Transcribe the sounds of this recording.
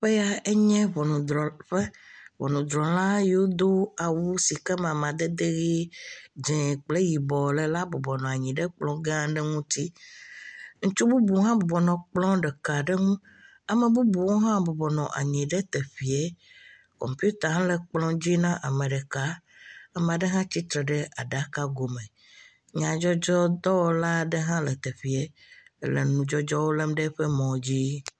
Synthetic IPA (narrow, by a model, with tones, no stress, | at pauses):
ɸe˦ja˨e˦ɲɛ̃˦βɔ˨nũ˨d̪ɔ˨ɸɛ˦βɔ̰˨nũ˨d̪ɾɔ˨lã˦je˨˦wo˦d̪o˦a˨wu˦si˨kɛ˦mã˨mã˨d̪e˦d̪e˦ɣi˦d͡ʒɛ̃˨k͡ple˦ji˨bɔ˨le˨la˦bɔ˨bɔ˨nɔ̃˨a˨ɲĩ˨ɖɛ˦k͡plɔ̃˦ɡã˦ɖɛ˦ŋũ˦t̪i˦ | ŋũ˦t͡ʃu˦bu˦bu˨˦ɦã˦bɔ˨bɔ˨nɔ̃˨k͡plɔ̃˦ɖɛ˨ka˨ɖɛ˦ŋũ˦ | a˨mẽ˨bu˦bu˨wo˦ɦã˦bɔ˨bɔ˨nɔ̰̃˨ʔa̰˨ɲĩ˨ɖe˦t̪e˨ɸi˨e˦ | kɔ̰˨mpju˦t̪a˨ɦã˦le˨k͡plɔ̃˦d͡ʑi˦nã˦ʔa˨mẽ˨ɖe˨ka˨˦ | a˨mẽ˨a˨ɖe˦ɦã˦t͡ɕi˦t̪ɾe˨ɖe˦ʔa˨ɖa˨ka˦ɡo˨mẽ˨ | ɲã˨d͡ʒɔ˦d͡ʒɔ˦d̪ɔ˦wo˦la˦ɖe˦ɦã˦le˨t̪e˨ɸi˨e˦lḛ˨nũ˨d͡ʒɔ˦d͡ʒɔ˦wo˦le˦mɖe˦ɸe˦mɔ̃˨d͡ʑi˦